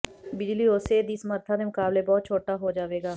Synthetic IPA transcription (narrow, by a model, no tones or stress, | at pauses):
bɪd͡ʒliːoːseːd̪isməɾt̪ʰãːd̪eːmʊkaːbleːbɔːt̪̚t͡ʃʰoːʈaːɦoːd͡ʒaːʋeːɡaː